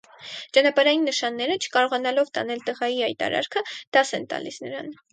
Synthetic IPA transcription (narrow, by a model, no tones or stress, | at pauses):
t͡ʃɑnɑpɑɾɑjinːəʃɑnːɛɾət͡ʃʰə̥kɑɾɔʁɑnɑlɔvt̪ɑ̰nɛlt̪əʁɑjiɑjt̪ɑ̰ɾɑ̰ɾkʰəd̪̥ɑsɛnt̪ɑ̰lisnəɾɑ̰n